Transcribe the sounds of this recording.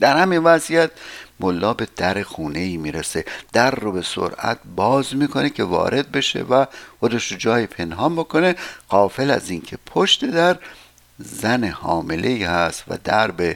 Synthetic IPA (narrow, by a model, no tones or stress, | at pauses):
d̪̥æɾhæminvæzijæt̪̚molːɒːbe̞d̪̥æɾexuːne̞iːmiːɾese̞d̪̥æɾːobe̞so̰ɾʔæ̰t̪̚ʰbɒːzmiːkʰo̞ne̞cʰe̞vɒ̰ːɾʔe̞d̪̚be̞ʃe̞̰væxod̪eʃɾod͡ʒɒːjipʰe̞nɦɒːmbo̞kʰone̞ɢ̥ɒːfe̞læ̰ziːncʲʰe̞pʰoʃt̪e̞d̪æɾ | zænehɒːmelʔe̞iːhæst̪væ̰d̪æɾbe